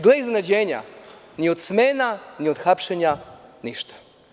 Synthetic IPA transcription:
ɡleiznenad͡ʑeːɲa̰ | nio̞d̪smeːnaniod̪xapʃeɲaniʃt̪ḁ

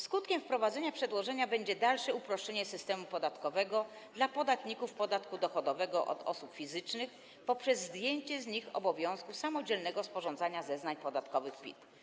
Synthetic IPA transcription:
skut̪kʲɛmfpɾɔvad̪zɛɲapʂɛd̪wɔʐɛɲabɛɲd͡ʑɛd̪alʂɛupɾɔʂt͡ʂɛɲɛsɘst̪ɛmupɔd̪at̪kɔvɛɡɔ | d̪lapɔd̪at̪ɲikufpɔd̪at̪kud̪ɔxɔd̪ɔvɛɡɔʔɔ̰d̪ɔ̰supfʲizɘt͡ʂnɘx | pɔpʂɛzːd̪ʲjeɲt͡ɕɛzɲixɔ̰bɔvʲjɔ̃w̃skusamɔd͡ʑɛlnɛɡɔspɔʐɔ̃nd̪zaɲazɛznaɲpɔd̪at̪kɔvɘxpʲḭt̪

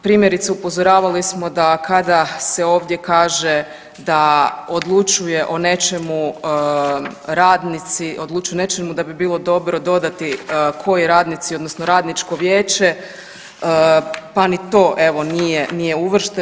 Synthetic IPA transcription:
pɾiːmjeɾit̪seupo̞zo̞ɾaːʋalismo̞d̪akad̪ase̞o̞ːʋd̪je̞kaːʒe | d̪aod̪lˠut͡ʃuje̞ʔo̞ne̞t͡ʃemu | ɾaːd̪nit̪siʔo̞d̪lˠut͡ʃujene̞t͡ʃemud̪abibiːlˠo̞d̪o̞bɾo̞d̪o̞d̪at̪ikʰo̞jeɾaːd̪nit̪sio̞d̪no̞snoɾaːd̪nit͡ʃko̞ʋje̞ːt͡ʃe̞ | panit̪o̞ːʔe̞ʋo̞nijenije̞uʋr̩ʃt̪e

